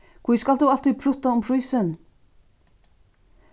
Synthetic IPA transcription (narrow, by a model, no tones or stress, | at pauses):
kʰviskald̪uːalt̪ið̚pʰɾʊt̪aʊmpʰɾɪsən